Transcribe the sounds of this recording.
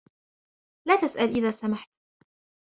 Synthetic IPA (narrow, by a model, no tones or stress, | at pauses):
laːt̪asʔalʔɪðaːsamaħt̪